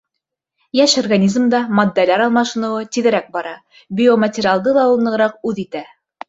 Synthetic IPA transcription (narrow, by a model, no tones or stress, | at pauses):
jæʃorɡanʲizmd̪ɑmod̪ːælæɾɑlˠmɑʃɤ̆nɤ̆wɤt̪iðɘ̆ɾæk̚bɑɾɑ | bʲiomɐt̪ʲɪɾʲɪalˠd̪ɤlˠɑulˠnˠɤ̆ʁɾɑq̚ʉðit̪æ